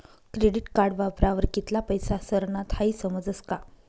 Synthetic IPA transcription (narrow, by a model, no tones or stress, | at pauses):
kɾeɽiʈkaɾɖʋapɾaʋəɾkit̪lapəjsasəɾɳat̪ʰhaiːsəməd͡zəska